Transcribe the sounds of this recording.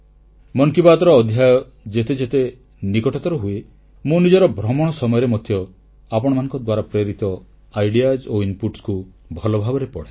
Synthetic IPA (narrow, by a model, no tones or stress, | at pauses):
mɔŋkibat̪ɔɾɔːd̪ʱjajɔ | d͡ʒet̪ed͡ʒet̪e | nikɔʈɔt̪ɔɾɔɦue | munid͡ʒɔɾɔbʱɾɔmɔɽ̃ɔsɔmɔjɔɾemɔt̪ʰjɔ | apɔɽ̃ɔmanɔ̃ŋkɔd̪waɾapɾeɾit̪ɔ | ajɖiad͡ʒoimpuʈsku | bʱɔlɔbʱabɔɾepɔɽe